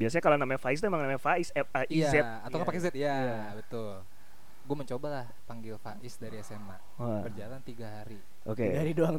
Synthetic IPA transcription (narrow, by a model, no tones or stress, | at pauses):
biasaɲakalonamaɲafais̬t̪uemaŋnamaɲafaɪsɛəʔiazɛ | at̪awkapakezɛt̪̚ijaa | bət̪ʊl | ɡuaməɲt͡ʃobalah | paŋɡɪlfaʔɪsdaɾiɛsema | apərd͡ʒalant̪iɡaɦaɾi | ʔokeɡahaɾidoaŋ